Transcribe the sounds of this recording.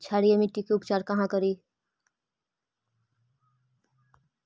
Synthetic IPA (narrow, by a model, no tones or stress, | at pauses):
t͡ʃʰaːɽijemɪʈːikeʊpt͡ʃaːɾkɐɦãkəɾiː